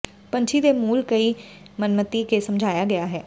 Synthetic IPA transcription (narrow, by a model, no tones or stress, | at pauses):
pə̃ɲt͡ʃʰid̪eːmuːlkəiː | mənmət̪ikesəmd͡ʒʱaːjaːɡɐjaːɦɛː